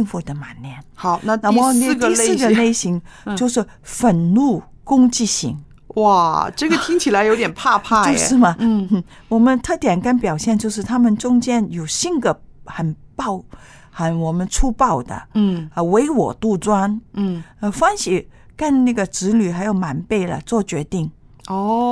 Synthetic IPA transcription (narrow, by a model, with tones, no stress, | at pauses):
ŋfu˥˩d̪ə˨ma˨˩nnjɛ˥˩nxɑ˨˩˦ʊna˥˧na˥˧˥i˥˧ssɹ̩˥˩ɡə˨ne˥˩ɪɕi˧˥ŋt͡ɕjo˥˧ʊʂɻ̩˥˩ | fə˨˩nnu˥˩ | kʊ˥ŋt͡ɕi˥˩ɕḭ˧˥ŋ | wa˥˩ʈ͡ʂɤ˥˩ɡə˩t̪ʰi˥ŋt͡ɕʰi˨˩la˧˥ɪjo˧˥ʊt̪jɛ˨˩npʰa˥˧pʰa˥˩t͡ɕo˥˧ʂɻ̩˥˩mɐ˩n̩˥˩ | wɔ˨˩mə˧˦nt̪ʰɤ˥˩t̪jɛ˨˩nka˥˩npjɑ˨˩ʊɕjɛ˥˧nt͡ɕjo˥˧ʊʂɻ̩˥˩t̪ʰa˥mə˨nʈ͡ʂʊ˥ŋt͡ɕjɛ˥njo˨˩ʊɕi˥nɡ̪ə˩xə˨˩npɑ˥˩ʊ | xa˧˥˩nwɔ˨˩mə˧˦nʈ͡ʂʰu˥pɑ˥˩ʊd̪ə̰˩˧we˧˥ɪwɔ̰˨˩t̪u˥˧t͡swa˥n̩˥˩ | ə˧fa˥nɕi˥˩ka˥˧nna˥˩ɡə˩ʈ͡ʂɻ̩˧˥ly˨˩xa˧˥ɪjo˨˩ʊma˨˩npe˥˩ɪlə̰˩t͡swɔ˥˩t͡ɕɥɛ˧˥t̪i˥˩ŋ | ɔ˥˩